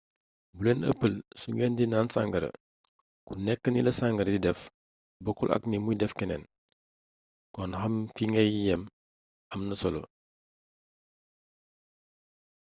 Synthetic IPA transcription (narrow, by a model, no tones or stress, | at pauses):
bulenə̰pːəlsuŋɡɛndinaːnsaŋɡɐɾə̰ | kunɛkːənilɐsaŋɡɐɾdidɛf | bɔkːulʔɐ̰knimujdɛfkɛnɛ̰n | kɔnhɐmkiŋɛjjɐm | ɐmnɐsɔlo̰